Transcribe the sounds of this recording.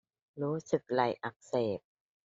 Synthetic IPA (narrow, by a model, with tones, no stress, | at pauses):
ɾuː˦˥sɯ˨˩k̚la˨˩jʔa˨˩k̚seː˨˩p̚